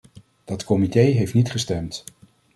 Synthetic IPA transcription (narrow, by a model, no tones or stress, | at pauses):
d̥ɑtkɔmitejɦejftnitχəstɛmt